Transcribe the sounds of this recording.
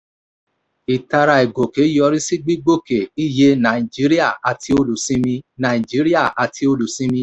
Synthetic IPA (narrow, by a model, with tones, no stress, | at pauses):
i˨ta˧ɾa˧i˨ɡo˨ke˨˦jɔ˧ɾi˦si˦ɡ͡bi˦ɡ͡bo˦˨ke˨i˦˨je˧nã˨ĩ˨d͡ʒi˨˦ɾi˦a˦˨a˨ti˧o˧lu˨sĩ˧˦mĩ˧nã˨ĩ˨d͡ʒi˨˦ɾi˦a˦˨ʔa˨ti˧o˧lu˨sĩ˧mĩ˧˦